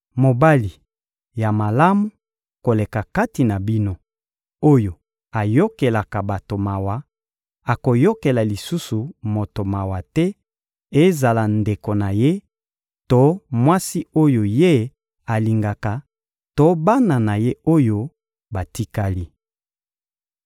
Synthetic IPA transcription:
mo˨ba˦li˨ | ja˨ma˨la˦mu˦ | ko˨le˨ka˨ka˦ti˨na˨bi˦no˦ | o˦jo˨ | a˨jo˦ke˨la˨ka˨ba˨to˨ma˨wa˨ | a˨ko˨jo˦ke˨la˨li˨su˦su˨mo˨to˨ma˨wa˨tɛ˦ | e˦za˨la˨nde˨ko˨na˨je˦ | to˦mwa˦si˦o˦jo˨je˦ | a˨li˨ŋɡa˨ka˨ | to˦ba˦na˨na˨je˦o˦jo˦ | ba˨ti˦ka˦li˦

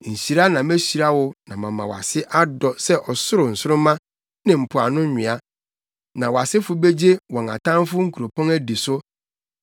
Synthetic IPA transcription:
ɲ̩˨ɕi˨ɾa˦nã˨mæ˦ɕi˨ɾa˦wʊ˦nã˨mã̰˨mã˨wɔ˨a̰˨sɪ˦ʔa˦dɔ˨sɛ˦ʔɔ˨sʊ˦ɾʊ˨n̩˨sʊ˦ɾʊ̃˦mã˦ | nɪ̃˨m̩˨pʰʊ˨a˨nʊ̃˦ɲᶣɪ̃˨a˦ | nã˨wɔ˨a˨sɪ˦fʊ˦be˦d͡ʑe˦wɔ̃˨ŋa̰˨tʰã˦m˦fʊ˦ŋ̩˦kʰu˨ɾo˨pʰɔ̃˦næ˦di˨sʊ˦

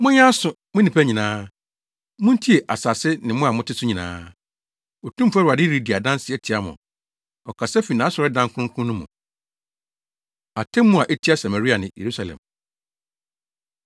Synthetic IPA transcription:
mʊ̃˦ɲ˦ã˦sʊ˨ | mʊ̃˦nĩ˨pʰæ˦ɲĩ˨nãː˦ | mʊ̃˦n̩˦tʰi˦e˨ʔa˨sa˨sɪ˦nɪ̃˨mʊ̃˦a˨mʊ̃˦tʰɪ˦sʊ˦ɲĩ˨nã̰ː˦ | o˨tʰũ˦m˦fa˦ɾa˨dɪ˦ɾi˦di˨a˨dã˦n˦sɪ˦ɛ˨tʰi˨a˦mʊ̰̃˨ | ɔ˨kʰa˨sɛ˦fi˨nãː˨˦sɔ˨ɾɪ˦dã˦ŋkʰʊ̃˦kʰʊ̃˦nʊ̃˦mʊ̰̃˨ | a˨tʰɛ̃˦mː˦ʊ̃˦a˨ʔe˦tʰi˦a˦sa˨ma˨ɾi˦a˨nɪ̃˨jḛ˨ɾu˦sa˨lɛ̰̃˨m

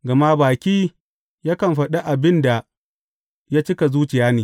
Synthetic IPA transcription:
ɡɐ˨ma˦baː˨kʲiː˦ | jaː˦kɐ˨mɸɐ˨ɗa˦ʔa˨bɪ˦nda˨ | ja˦t͡ʃɪ˦ka˨zuː˦t͡ʃɪ˨jaː˦neː˨

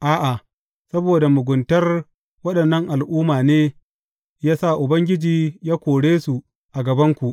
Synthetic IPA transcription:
ʔaː˦ʔa˨ | sɐ˦boː˨da˨mʊ˨ɡʷʊ˨ntɐ˦r | wɐ˦ɗɐ˨nːɐ˦ŋʔa˨lʔuː˦maː˨neː˦ | jaː˦sa˦˨ʔʊ˨bɐ˦ŋɡʲɪ˦d͡ʒiː˨jaː˦kʷoː˨ɽeː˦su˨ | ʔa˨ɡɐ˨bɐ˦ŋkʷu˨ʔ

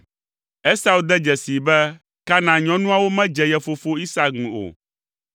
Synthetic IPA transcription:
ɛ˦sa˦u˨˦d̪ɛ˦d͡ʒɛ˨si˨bɛ˦ | ka˦nã˨ɲɔ̃˦nũ˦a˦wo˦mɛ̃˦d͡ʒɛ˨jɛ˨fo˨fo˦i˦sa˨ŋũ˨o̰˨

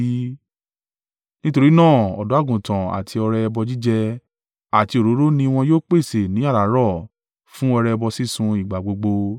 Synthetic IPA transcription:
nĩ˦to˧ɾi˦nãː˦˨ɔ̰˨do˨˦a˦˨ɡũ˨tã˨a̰˨tʰi˧ɔ˧ɾɛ˧bɔ˧d͡ʒi˦d͡ʒɛ˧ | a˨ti˧o˨ɾo˨˦ɾo˦nĩ˧w̃ɔ̃˧joː˦k͡pe˦˨se˨nĩ˨˦a˦˨ɾa˨˦ɾɔ˦˨ | fũ˦ɔ˧ɾɛ˧bɔ˧si˦sũ˧i˨ɡ͡ba˨ɡ͡bo˧ɡ͡bo˧

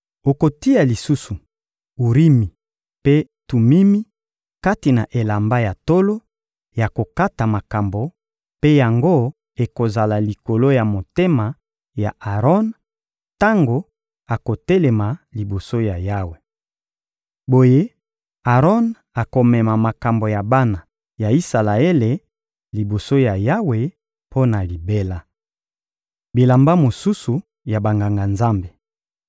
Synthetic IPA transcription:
o˨ko˨ti˦a˨li˨su˦su˨ | u˨ʁi˦mi˨ | pe˦tu˨mi˦mi˦ | ka˦ti˨na˨ʔe˨la˨mba˦ja˨to˦lo˦ | ja˨ko˨ka˦ta˨ma˨ka˨mbo˨ | pe˦ja˨ŋɡo˦ | e˨ko˨za˨la˨li˨ko˨lo˦ja˨mo˨te˦ma˨ | ja̰˨ʔa˨ʁɔ˦n | ta˦ŋɡo˨ | a˨ko˨te˦le˨ma˨li˨bo˨so˦ja˨ja˦we˨ | bo˨je˦ | a˨ʁɔ˦n | a˨ko˨mɛ˨ma˨ma˨ka˨mbo˨ja˨ba˦na˨ | ja˨i˦sa˨la˨e˦le˨ | li˨bo˨so˦ja˨ja˦we˨ | pʰo˦na˨li˨be˦la˦ | bi˨la˨mba˦mo˨su˦su˨ | ja˨ba˨ŋɡa˨ŋɡa˨nza˦mbe˨

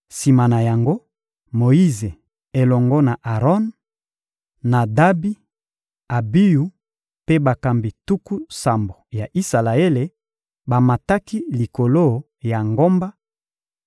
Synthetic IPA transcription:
si˨ma˨na˨ja˨ŋɡo˦ | mo˨i˦ze˨ | e˨lɔ˨ŋɡɔ˦na˨ʔa˨ʁɔ˦n | a˨da˦bi˦ | a˨bi˦ju˦ | pe˦ba˨ka˨mbi˨tu˦ku˦sa˨mbo˨ja˨ʔi˦sa˨la˨e˦le˨ | ba˨ma˨ta˦ki˦li˨ko˨lo˦˨ | ja˨ŋɡo˦mba˦

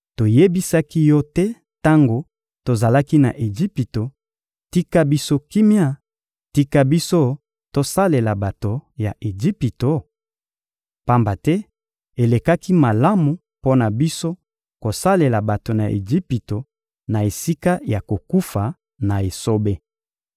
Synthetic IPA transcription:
to˨je˦bi˦sa˦ki˦jɔ˦tɛ˦ | ta˦ŋɡo˨ | to˨za˨la˦ki˦na̰˨ʔe˨d͡ʒi˦pi˨to˨ | ti˦ka˦bi˦so˦ki˦mja˦˨ | ti˦ka˦bi˦so˦ | to˦sa˦le˨la˨ba˨to˨ja˨ʔe˨d͡ʒi˦pi˨to˨ | pa˦mba˨tɛ˦ | e˨le˨ka˦ki˦ma˨la˦mu˨ | po˦na˨bi˦so˦ | ko˨sa˦le˨la˨ba˨to˨na̰˨ʔḛ˨d͡ʒi˦pi˨to˨ | na˨e˨si˦ka˦ja˨ko˨ku˦fa˨ | na˨e˨so˦be˦

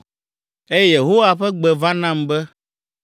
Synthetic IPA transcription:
e˦jje˨ɦo˦wa˨ɸɛ˦ɡ͡bɛ˨va˦nã˦˨mbɛ˦

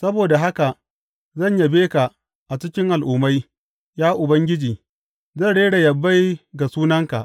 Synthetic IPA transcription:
sɐ˦boː˨da˨ɦa˦ka˨ | zɐ˦˨ɲja˨beː˦ka˨ | ʔa˨t͡ʃɪ˦kʲɪ˦ŋʔa˨lʔʊː˨ma˦j | jaː˦ʔʊ˨bɐ˦ŋɡʲɪ˦d͡ʒiː˨ | zɐ˦˨ɽeː˦ɽa˨jɐ˨bːa˦jɡa˨suː˦nɐ˦ŋka˨ʔ

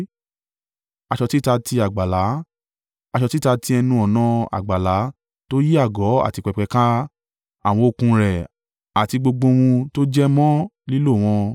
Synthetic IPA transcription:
a˧ʃɔ˧ti˦˨ta˧ti˧a˨ɡ͡ba˨la˨˦ | a˧ʃɔ˧ti˦˨ta˧ti˧ɛ˧nũ˧ɔ˨nã˨˧a̰˨ɡ͡ba˨la˨˦ | to˦ji˦a˦˨ɡɔ˨˦a̰˦˨ti˧k͡pɛ˧k͡pɛ˧kã˦ | a˦˨w̃ɔ̃˧o˨˧˨kũ˧ɾɛ˨ | a˨ti˧ɡ͡bo˧ɡ͡bo˧w̃ũ˧to˦d͡ʒɛ˦mɔ̃˦li˦lo˦˨w̃ɔ̃˧

